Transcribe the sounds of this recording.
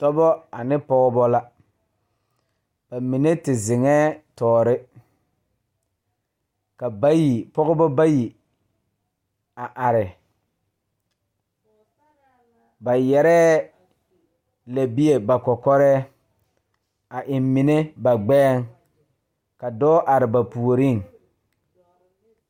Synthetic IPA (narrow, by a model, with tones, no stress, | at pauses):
tɔ˦bɔ˦a˨nɪ˦pɔ˦ɣɔ˦bɔ˦la˦ | b̥a˨mi˨ne˦tɪ˨zɪ˨ŋɛː˦tɔː˨ɾɪ˦ | ka˨ba˦ji˨pɔ˦ɣʊ˦bɔ˦ba˦ji˨ | a˨ʔa˨ɾɪ˨ | ba˨jɛ˨ɾɛː˦ | la˨bi˦e˨ba˨kɔ˨kɔ˦ɾɛ˦ | a˨ʔɪ˨mmi˨ne˦ba˨ɡ͡bɛː˦˨ŋ | ka˨dɔː˦ʔa˨ɾɪ˨ba˨pu˨o˨ɾi˦˨ŋ